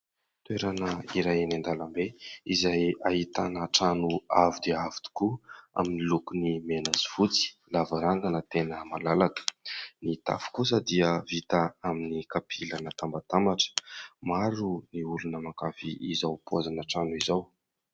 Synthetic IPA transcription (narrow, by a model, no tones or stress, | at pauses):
t̪weɾanəiɾajanand̪alambeizajaɦit̪anəʈ͡ʂanuavid̪eavi̥t̪u̥kua̰minilukunimenaziv̥ut͡si̥lavaɾaŋɡanət̪enəmalalakə̥nit̪a̰fu̥kusəd̪iəvit̪aaminikapʰilanət̪ambat̪amaʈ͡ʂə̥maɾuniulunəmakafiizawpuazanəʈ͡ʂanuizaw